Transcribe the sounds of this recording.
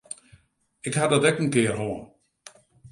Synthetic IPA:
ɪkhadɔtɛkən̩kɪərɦoən

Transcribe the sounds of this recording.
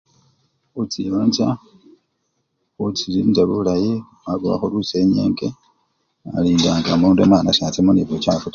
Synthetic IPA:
ut͡siβanza | ut͡siliːnd͡ʒaβulaji | aβua̰xoluse̞ɲḛːŋɡe | aliːndaːŋɡamuːndemaːnasaːt͡semoniβocaːfuta

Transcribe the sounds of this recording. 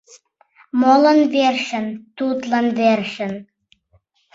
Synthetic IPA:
molənverʃɘ̆nt̪ut̪lə̆nverʃɘ̆n

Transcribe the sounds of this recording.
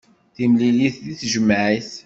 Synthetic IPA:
θimliliθðiθʒəmːʕiθ

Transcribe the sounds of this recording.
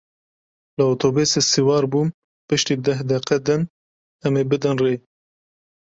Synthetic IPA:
lɨoːt̪ʰoːbesesiwɑːɾbuːm | pɨʃt̪iːd̪ɛɦd̪ɛqɛd̪ɨn | ɛmeːbɨd̪ɨnreː

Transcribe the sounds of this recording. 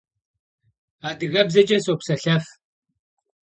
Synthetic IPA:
aːdɨɣɐbzɐt͡ʃʼɐsokʷsɐɬɐf

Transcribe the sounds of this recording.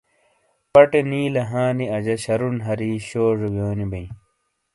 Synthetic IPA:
pɐʈeniːlɐɦãːniɐd͡ʑɐɕɐɾunɦɐɾiːɕoːʐuɡjoːnibɐ̃ĩ

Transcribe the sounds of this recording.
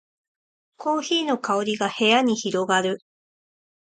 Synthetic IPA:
kʰo̞ːçiːno̞kao̞ɾʲiɡahe̞jaɲ̟içiɾo̞ɡaɾɯ̟

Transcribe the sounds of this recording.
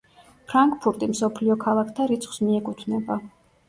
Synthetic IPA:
pʰɾaŋkʼpʰuɾt̪ʼimsɔpʰliɔkʰalˠakʰt̪ʰaɾit̪sʰχsmiɛkʼut̪ʰvnɛba

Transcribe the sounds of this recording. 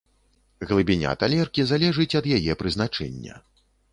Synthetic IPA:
ɣlˠɨbʲinʲa̰t̪alʲɛrkʲizalʲɛʐɨt͡sʲɐd̪jajɛpɾɨzn̪at͡ʂɛ̰nʲːɐ̰

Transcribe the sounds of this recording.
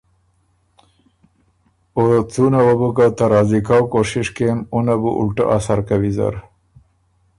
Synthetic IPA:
ot͡sunawobukat̪aɾɑzikawkoʂɪʂkemunabṵʔṵlʈa̰ʔasaɾkawiza̰ɾ

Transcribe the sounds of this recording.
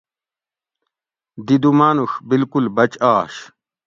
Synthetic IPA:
d̪id̪umaːnuxbilkulbɐt͡ɕaːɕ

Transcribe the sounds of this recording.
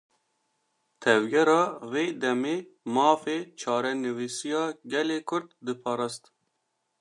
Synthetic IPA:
t̪ʰɛvɡɛɾɑːveːd̪ɛmeːmɑːfeːt͡ʃʰɑːɾɛnɨwiːsijɑːɡɛleːkʰʊɾd̪̚ːɨpʰɑːɾɑːst̪

